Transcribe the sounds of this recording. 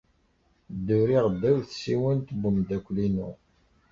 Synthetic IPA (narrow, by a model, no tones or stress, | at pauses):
d̪ːuɾiʁˤədːæwθsiwənt̪bəmd̪ækʷːlinṵ